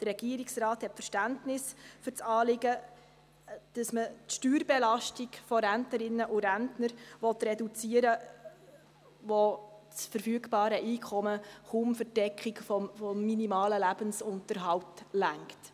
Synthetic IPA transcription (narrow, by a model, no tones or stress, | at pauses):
d̥ərːɛɡ̥iəɾiksrɑːthɛtfəɾʃtæntnɪsfʏɾt͡sɑːlɪɡə | d̥əsmətʃtyːɾbɛlɑʃtiɡfɔɾæntnəɾɪnːəʔuɾæntnəɾʋɔtɾɛdut͡siəɾə | ʋɔt͡sfəɾfyːəɡbɑːɾəʔiːkʰɔməχʊmfəɾd̥ɛkχikfɔmfɔmːinimɑːləlæbənsʊntəɾɦɑwtlæŋkt